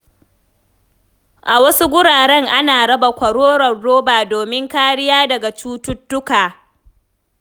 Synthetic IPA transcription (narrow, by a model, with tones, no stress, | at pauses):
ʔa˨wɐ˦su˦ɡʷʊ˦ɽaː˨ɽɛ˦ŋʔa˦naː˨ɽɐ˦ba˨kʷɐ˨ɽoː˦ɽɐ˨rːoː˦baː˨doː˨mɪ˦ŋkaː˦ɽɪ˦jaː˦dɐ˨ɡa˨t͡ʃuː˦tʊ˦tːʊ˦kaː˨